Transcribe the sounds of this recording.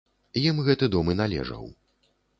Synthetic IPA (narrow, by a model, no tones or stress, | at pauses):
jimɣɛt̪ɨd̪ɔmɨnalʲɛ̰ʐɐ̰w